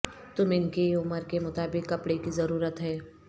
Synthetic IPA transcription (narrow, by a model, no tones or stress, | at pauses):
t̪ʊmɪnkeʊməɾkemʊt̪aːbɪkːɐpɽekizɐɾuːɾət̪ɦɛː